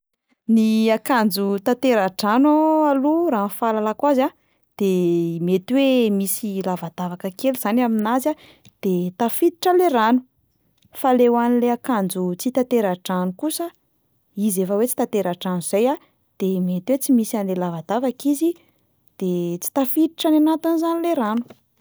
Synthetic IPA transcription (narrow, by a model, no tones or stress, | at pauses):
niakand͡zut̪at̪eɾaʈ͡ʂanoaluɾaːnfalalakwaza | d̪̥emet̪wemisilavad̪̥avakəkeluz̥anaminaza | d̪̥et̪afit̪i̥ʈ͡ʂəleranu | falewanileakand͡zut͡sit̪at̪eɾaʈ͡ʂanukusə | izefəwet͡si̥t̪at̪eɾaʈ͡ʂanuz̥aja | d̪̥emet̪wet͡simisanlelavad̪avakizi | d̪̥et͡si̥t̪afit̪iʈ͡ʂananat̪inizanileɾanu̥